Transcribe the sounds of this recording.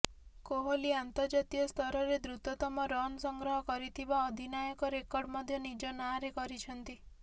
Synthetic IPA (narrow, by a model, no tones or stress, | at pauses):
koɦoliant̪ɔɾd͡ʒat̪iɔst̪ʰɔɾɔɾed̪ɾut̪ɔt̪ɔmɔɾɔnɔsɔŋɡɾɔɦɔkɔɾit̪ʰibaɔd̪ʱinajɔkɔɾekɔɾɖmɔd̪ʱjɔnid͡ʒɔnaɾekɔɾit͡ʃʰɔnt̪i